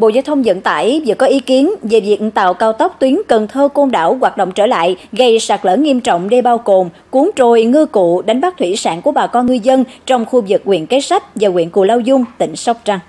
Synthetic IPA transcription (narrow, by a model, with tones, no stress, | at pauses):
ɓo̰˧˨zaː˧wt̪ʰwŋ͡mzə̰˧˨nt̪a̰ː˧˩˨jvḭ˧˨kːɔ˨˦ʔi˨˦ki˨˦ənve˨˩vi˨˩ək̚t̪a̰ː˧˨wkaː˧wt̪ə˦˥wk͡p̚t̪wi˨˦ənkə˨˩nt̪ʰəː˧ko˧nɗa̰ː˧˩wɣwaː˨˩t̚ɗo̰˧˨wŋ͡mt͡ɕəː˧˩la̰ː˧˨jɣə˧jsaː˨˩k̚lə̰ː˧˩ŋi˧əmt͡ɕɔ̰˧˨wŋ͡mɗe˧ɓaː˧wɣo˨˩m | ku˨˦əŋt͡ɕo˨˩jŋɨ˧kṵ˧˨ɗa˨˦jŋ̟ɓaː˦˥k̚t̪ʰwi˧˩saː˧˩nku˧˩əɓaː˨˩kɔ˧nŋɨ˧zə˧nt͡ɕɔ˧wŋ͡mxu˧vɨ˨˩k̚ːwḭ˧˨ənke˨˦sa˦˥jk̟̚vaː˨˩ŋwḭ˧əku˧˩laː˧wzʊ˧ŋ͡mt̪ï˧˩ŋ̟sɔ˦˥wk͡p̚t͡ɕa˧ŋ